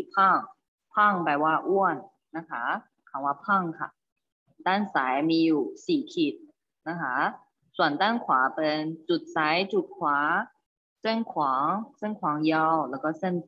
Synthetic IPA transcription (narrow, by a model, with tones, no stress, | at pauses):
i˨˩pʰɔ˥˩ŋ | pʰɔ˥˩ŋpa˧˩jwaː˧˩ʔu˥˩ənː | a˦˧˥kʰa˦˥ | kʰa˨˦waː˧˩pʰɔ˥˩ŋkʰa̰˧˩ | t̪aː˥˩nsaː˩˦jmiː˧juː˨˩siː˨˩kʰi˨˩t̪̚ | na˦˥kʰa˦˥ | su˨˩ənt̪aː˥˩nkʰwaː˩˦pe˧nt͡ɕu˨˩t̪̚sa˨˦˥jt͡ɕu˨˩t̪̚kʰwaː˨˩˦ | se˥˩nkʰwɔː˨˩˦ŋse˥˩nkʰwɔː˩˦ŋjɔ˧˩wlɛː˦˥wkɔː˥˩se˥˩n